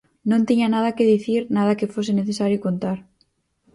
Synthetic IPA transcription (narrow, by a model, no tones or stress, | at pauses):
nõnt̪iɲanað̞akeðiθiɾnað̞akefoseneθesaɾjokont̪aɾ